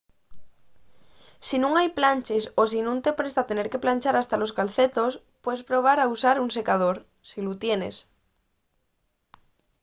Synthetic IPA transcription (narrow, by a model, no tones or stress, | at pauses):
sinũŋajplanʲt͡ʃe̞sos̬inũnt̪e̞pɾe̞st̪at̪e̞ne̞ɾke̞planʲt͡ʃaɾast̪alo̞skalθet̪o̞s | pweðe̞spɾo̞β̞aɾausaɾunse̞kað̞oɾ | silut̪jene̞̰s